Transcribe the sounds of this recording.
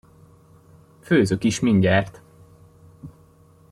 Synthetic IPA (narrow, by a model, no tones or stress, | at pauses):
føːzøkiʃmiɲɟaːrt̪